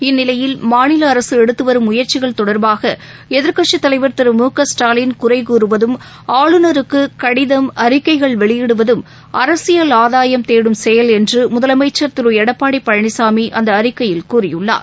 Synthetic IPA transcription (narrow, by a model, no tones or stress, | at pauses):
ɪnːɪlɐjɪlmaːnɪlɐːɾɐsɯɛɽɯt̪ːɯʋɐɾɯmʊjɐɾt͡ʃɪɣɐɭt̪ɔɽɐɾbaːɣɐ | ɛðɪɾkɐʈʂɯt̪ːɐlɐɪʋɐɾt̪ɪɾɯmuːkɐsʈaːlɪnkʊrɐɪkuːɾɯʋɐðɯm | aːɭɯnɐɾɯkːɯkɐɽɪðɐmɐɾɪkːɐɪɣɐɭʋɛɭɪjɛɽɯʋɐðɯm | ɐɾɐsɪjɐlaːðaːjɐmt̪eːɽɯmsɛjɐlɛndrɯmʊðɐlɐmɐɪt͡ʃːɐɾt̪ɪɾɯɛɽɐpːaːɽɪpːɐɻɐɳɪsaːmiʔɐnd̪ɐːɾɪkːɐjɪlkuːrɪjɯɭːa̰ː